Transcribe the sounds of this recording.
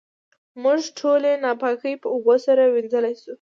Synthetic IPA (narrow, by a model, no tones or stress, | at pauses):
muʒʈʰolenɑpɑkəjpəʊɣosaɾawind͡zəlajsu